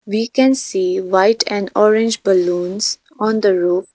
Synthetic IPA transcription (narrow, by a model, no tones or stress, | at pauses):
ʋiːkɛ̃nsiːʋaɪʈʰɛ̃ɳɖɔːɾɪ̃nd͡ʒbəlũːnz̥ | ɔ̃ːnd̪əɾoːp